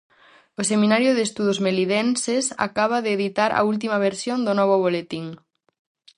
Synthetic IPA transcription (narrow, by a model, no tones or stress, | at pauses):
osemĩnaɾjʊðest̪uðozmeliðɛnsesa̰kaβ̞aðeːðit̪aɾa̰ult̪̬imɐβ̞eɾsjond̪onɔβʊβ̞olet̪iŋ